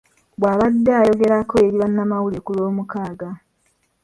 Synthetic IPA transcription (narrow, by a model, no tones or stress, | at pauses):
bwaːβadːeːjo̞ɡe̞ɾako̞eɾiβanːamawulekuloːmukaːɡa